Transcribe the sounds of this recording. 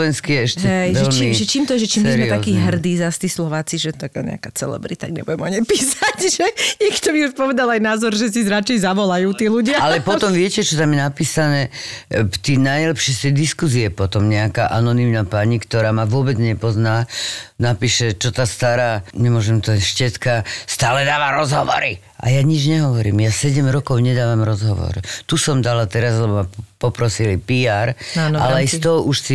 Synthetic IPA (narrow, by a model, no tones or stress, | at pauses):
ʋɛnskijɛɛʃɦɛɛjʋʒɛlt͡ʃmiʒɛt͡ʃiːmt̪ɔɛʒɛt͡ʃiːmɛzɾmɛt̪akiːɦr̩d̪iːzast̪iːslɔʋaːt͡siʒɛt̪akaːɲɛ̰a̰kat͡sɛ̰lɛ̰bɾḭt̪aɡɲɛ̰buɟɛmɔɲɛpiːsacʒɛɲɛkt̪ɔʋiuʃpɔʋɛd̪alajnaːzɔɾʒɛs̬izɾat͡ʃɛjzaʋɔlajuːt̪iːluɟɪaalɛpɔt̪ɔmʋɪɛcɛt͡ʃɔt̪amjɛnapiːsanɛː | t̪iːnajlɛpʃɛst̪ɛjd̪iskus̬iɛpɔt̪ɔmɲɛaka̰ʔanɔnimnapaɲikt̪ɔɾaːmaʋʊɔbɛd͡zɲɛpɔznaːnapiːʃɛt͡ʃɔt̪ast̪aɾaːɲɛmʊɔʒɛmt̪ɔʃcɛtkast̪aːlɛd̪aːʋaɾɔzɦɔʋɔ̰ɾi | ʔa̰jaɲid͡ʒɲɛɦɔʋɔɾḭːmjasɛɟɛmɾɔkɔʊɲɛd̪aːʋamɾɔzɦɔʋɔ̰ɾt̪usɔmd̪alat̪ɛɾazlɛbɔmapɔpɾɔsilipiaɾanalɛajst̪ɔɦɔʔuʃsi